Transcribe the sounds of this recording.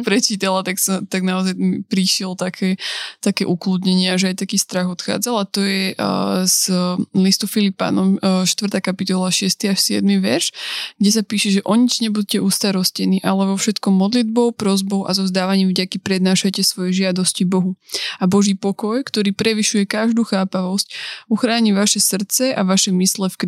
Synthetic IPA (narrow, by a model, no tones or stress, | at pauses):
pɾɛt͡ʃiːt̪alat̪aksɔt̪aɡnaɔzajmḭpɾiʃɛlt̪akʰɛːt̪akɛːʔuklud̪ɲɛɲɪaʒɛajt̪akiːst̪ɾaɣɔt̪xa̰ːd͡zalat̪ɔjɛzlist̪ufilipa̰nɔmʃt̪ʋrt̪aːkapit̪ɔlaʃɪɛst̪iaʃsɪɛ̰d̪miʋɛ̰ɾʃɡɟɛsapiːʃɛʒɛʔɔɲid͡ʒɲɛbuɟcɛʔuːst̪aɾɔscɛniːʔalɛʋɔfʃɛt̪kɔmmːɔd̪lid̪̚bɔʊpɾɔzbɔʊʔa̰zɔzd̪aːʋaɲiːmvɟakipɾɛd̪naːʃacɛsʋɔjɛʒɪad̪ɔscibɔɦuabɔʒiːpɔkɔjkt̪ɔɾiːpɾɛʋiʃujɛkaʒd̪uːxaːpaʋɔscuxɾaːɲiʋaʃɛsr̩t̪t͡sɛʔaʋaʃɛmislɛfk